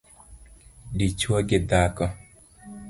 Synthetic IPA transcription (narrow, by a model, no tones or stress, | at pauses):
dit͡ʃwoɡɪd̪akɔ